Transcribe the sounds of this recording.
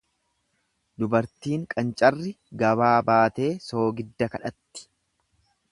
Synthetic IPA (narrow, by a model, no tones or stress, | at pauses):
d̪ʊbɐɾt̪iːŋkʼɐnt͡ʃʼɐrːɪ | ɡɐbaːbaːt̪e̞ːso̞ːɡɪd̪ːɐkɐᶑɐt̪ːɪ̥